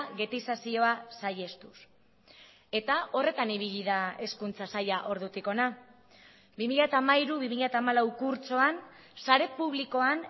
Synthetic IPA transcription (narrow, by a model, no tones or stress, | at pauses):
ɣe̞t̪isasio̞asaje̞st̪us | e̞t̪ao̞re̞t̪aniβ̞iʎiðae̞skunt͡sasajaʔo̞ɾðut̪iko̞na | bimiʎat̪aːmaiɾuβimiʎat̪aːmalawkuɾt͡so̞an | saɾe̞puβliko̞an